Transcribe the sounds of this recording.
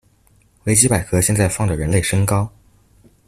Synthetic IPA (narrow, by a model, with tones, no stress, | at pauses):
we˥ɪt͡ɕi˥pa˨˩ɪkʰɤ˥ɕjɛ˥˧nt͡sa˥˧ɪfɑ˥˩ŋdə˩ɻə˧˥nle˥˩ɪʂɤ˥ŋkɑ˥ʊ